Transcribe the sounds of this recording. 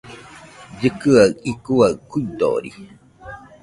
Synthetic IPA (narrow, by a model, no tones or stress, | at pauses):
d͡ʒɨkɨaɰikuaɨkuid̪o̰ɾḭ